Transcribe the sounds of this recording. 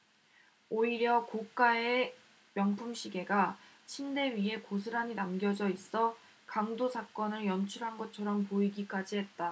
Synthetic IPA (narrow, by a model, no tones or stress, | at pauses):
oiɾjʌkok͈ae̞ | mjʌŋpʰumɕʰiɡe̞ɡat͡ɕʰinde̞ɥiɦe̞kos̬ʰɯɾaɲinamɡjʌd͡ʑʌis͈ʌ | kaŋdosʰak͈ʌnɯɭjʌnt͡ɕʰuɭɦanɡʌt͡ɕʰʌɾʌmpoiɡik͈ad͡ʑiɦe̞t̚t͈a